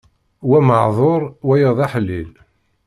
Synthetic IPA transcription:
wæməʕðˤoɾˤwæjəðˤaħəlːil

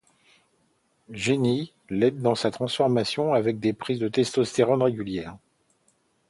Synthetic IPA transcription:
ʒeni | lɛd̪ːɑ̃sat̪χɑ̃sfɔʁmasjɔ̃avɛk̚d̪epχizd̪ət̪ɛst̪ost̪eʁɔ̃nʁeɡʲyljɛːʁ

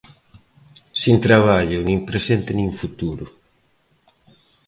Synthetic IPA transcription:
sint̪ɾaβaʎʊnĩŋpɾesent̪ɪnĩŋfut̪uɾʊ

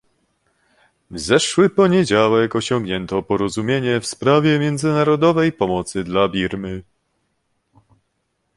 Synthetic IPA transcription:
zɛʂwɘpɔɲed͡ʑawɛkɔɕɔ̃ŋɡɲɛnt̪ɔpɔɾɔzumʲjeɲɛfspɾavʲjɛmʲjɛnd̪zɘnaɾɔd̪ɔvɛjpɔmɔt̪sɘd̪labʲiɾmɘ

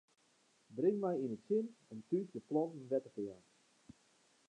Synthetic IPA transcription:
brɪŋmɛjinətsɪnɛntysdəplɔnnʋɛtəfjaːn

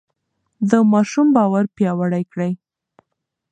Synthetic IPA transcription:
d̪əmɑʃumbɑwaɾpjɑwaɽajkɽəj

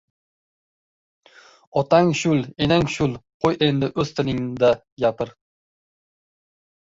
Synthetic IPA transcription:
ɒt̪ʰaŋʃʊlˠenaŋʃʊlˠqʰojend̪ɪʔɵzt̪ʰɪnɪŋd̪a | japʰɪɾ

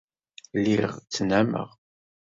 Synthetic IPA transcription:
liʁt͡sːnæmə̰ʁ

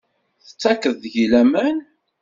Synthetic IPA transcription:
θə̥t͡sːækəððʝilæmæn

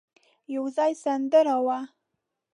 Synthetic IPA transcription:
jawzɑjsand̪əɾawa

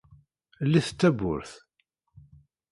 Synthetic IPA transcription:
lːiθt͡s̪ːæbʊ̰ɾθ

